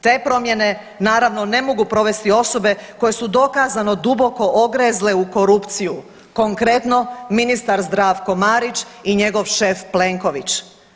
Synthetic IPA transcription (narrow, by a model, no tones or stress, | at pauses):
t̪e̞ːpɾo̞mje̞ne̞ | naːɾaʋno̞ne̞mo̞ɡupɾo̞ʋe̞st̪io̞so̞be̞ko̞je̞sud̪o̞kaːzano̞d̪ubo̞ko̞ʔoɡɾeːzle̞uko̞ɾupt̪siju | ko̞ŋkɾe̞t̪no̞minist̪aɾzd̪ɾaːʋko̞maːɾit͡ʃiɲe̞ɡo̞ʋʃe̞ːfple̞ːŋko̞ʋit͡ɕ